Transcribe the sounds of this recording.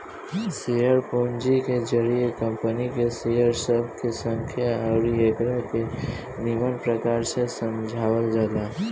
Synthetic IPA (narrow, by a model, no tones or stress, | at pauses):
sijəɾpond͡ʒikezəɾijekə̃mpənikesijəɾsəb̚ʱkesə̃ŋkʰjaaɾijeɡɾəɦke | nɪmənpɾəkaːɾsesə̃md͡ʒʱaːwəld͡ʒaːd̪a